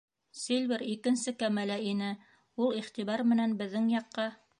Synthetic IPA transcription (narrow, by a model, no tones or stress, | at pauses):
silʲviɾikɘ̆nsɘkæmælæinɘ | ulˠiχt̪iβɑɾmɘ̆nænbɘ̆ðːɘŋjɑqːɑ